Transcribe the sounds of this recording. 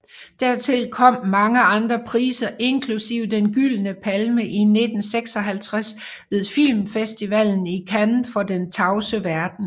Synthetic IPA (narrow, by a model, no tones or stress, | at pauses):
d̥æɐ̰t͡sʰe̝lkʰɒ̽m̰mɑ̈ŋəɑ̈nd̥ʁɐpʰʁiːsɐʔe̝nkʰlusiʊ̰d̥enɡ̥ylnəpʰælməʔine̝d̥n̩seɡ̥sɒ̽ɦælt͡sʰʁas | ʋe̝ðˠfil̰mfesd̥iʋɛln̩ikʰæn̩fɒ̽d̥ent͡sʰɑ̈ʊsəʋæɐd̥n̩